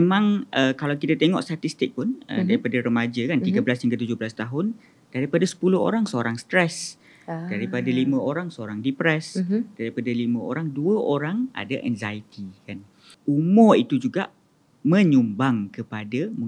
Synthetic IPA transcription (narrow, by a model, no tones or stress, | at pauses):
memãŋʔəkalawkit̪at̪eŋɔ̰ʔst̪at̪ist̪ɪk̚pʊnə̰daɾipadaɾəmad͡ʒəkant̪iɡablashiŋɡət̪ud͡ʒʊblast̪aɦʊn | d̥aɾipadasə̥pulʊɦo̰ɾaŋsəoɾaŋst̪ɾɛs | daɾipadalimə̃oɾaŋsəoɾaŋdipɾɛsd̥aɾipadalimə̃o̰ɾaŋduəoɾaŋa̰daʔɛ̰nzait̪ikan | umɔit̪ud͡ʒuɡa̰ʔ | mə̃ɲumbaŋkəpadamũ